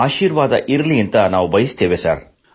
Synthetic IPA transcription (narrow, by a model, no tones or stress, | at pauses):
aːʃiːɾʋaːd̪ɐʔiɾɐliɐnt̪ɐnaːʋubɐjist̪eːʋesa̰ɾ